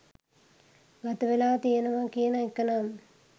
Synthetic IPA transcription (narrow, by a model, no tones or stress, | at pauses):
ɡat̪əʋelaːt̪ijenəʋakijənəekːɐnam